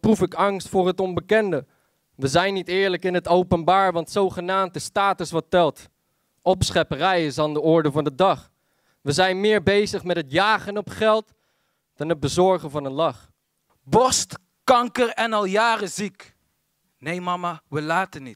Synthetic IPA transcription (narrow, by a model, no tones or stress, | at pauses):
prufɪkɑŋstfʊːrɦətɔnbəkɛndə | ʋəzɛjnitɪːɹləkɪnɦətowpənbaːɹʋɑntsowχənaːmt̚dəstaːtəsʋɑtɛlˠt | ɔpsχɛpərɛjɪsaːndəɔɹdəvɑndədɑχ | ʋəzɛjnmɪːɹbejzəχmɛtɦətjaːχənɔpχɛlˠt | d̥ɑnɦəd̚bəzɔɹχəvɑnənlɑχ | bɔst | kɑŋkərɛnɑlˠjaːrəzik | nejmɑmaʋəlaːtənit